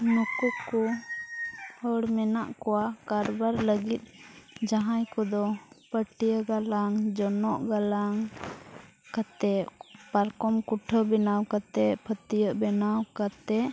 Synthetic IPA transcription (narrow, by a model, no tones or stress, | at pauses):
nukukɔ | hɔɽmɛnaʔkɔwakaɾbaɾləɡit̪̚ˀd͡ʒaɦãjkɔd̪ɔpəʈijəɡalaŋd͡ʒɔnɔʔɡalaŋ | kat̪ɛpaɾkɔmkuʈʰəbɛnawkat̪ɛpʰət̪ijəʔbɛnawkat̪ɛʔ